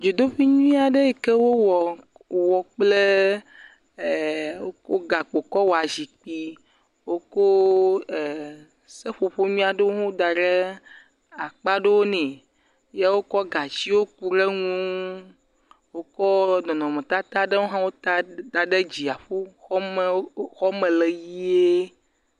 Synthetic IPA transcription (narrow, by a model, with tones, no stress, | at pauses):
d͡ʒo˨d̪o˦ɸi˦ɲũ˦ĩ˦a˨ɖe˦e˨ke˦wo˦wɔ˨ | wɔ˨k͡ple˦˨ | wo˦ko˦ɡa˨k͡po˨kɔ˦wo˨a˨zi˨k͡pi˦ | wo˦ko˦˨ | se˦ɸo˨ɸo˦mĩ˦a˨ɖe˦wo˦ŋũ˦d̪a˨ɖe˦ | a˨k͡pa˦ɖe˦wo˦nɛ̃˨ | je˦wo˦kɔ˦ɡa˨t͡ɕi˦wo˦ku˨ɾe˦ŋũ˦ | wo˦kɔ˦nɔ̃˨nɔ̃˨mẽ˨t̪a˦t̪a˦ɖe˦wo˦ɦã˦wo˦t̪a˦d̪a˨ɖe˦d͡ʑi˨a˨ɸo˦xɔ˦me˨˦xɔ˦mẽ˨le˨ji˦e˦